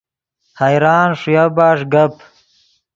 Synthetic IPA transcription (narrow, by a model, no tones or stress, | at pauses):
hajɾaːnʂujabaːʂɡap